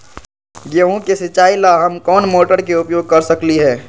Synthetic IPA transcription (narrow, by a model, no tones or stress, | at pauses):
ɡeũkesɪt͡ʃaːilaɦɐmkɔːnmoːʈəɾk̬eʊpjoːɡ̚kɐɾsɐkliɦɛː